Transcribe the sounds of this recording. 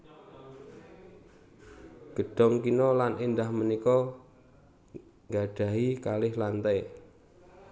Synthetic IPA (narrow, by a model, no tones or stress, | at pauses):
ɡ̥ə̤ɖ̥ɔ̤ŋkinɔlanind̪ahmənikɔ | ŋɡaɖ̥ä̤ɦikalɪhlant̪ɛ